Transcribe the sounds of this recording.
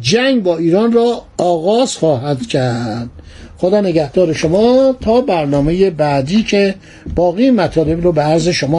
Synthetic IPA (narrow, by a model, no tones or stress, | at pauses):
d͡ʒæŋɡbɒːiːɾɒːnrɒːɣɒːz̥xɒːɦæd̪cʰæɾɾd̪̥ | xod̪ɒːneɡæhd̪ɒːɾeʃomɒːt̪ʰɒːbæɾnɒːme̞jebæːd̪iːcʰe | b̥ɒːɣiːemæt̪ʰɒːle̞bɾoːbeæɾze̞ʃomɒː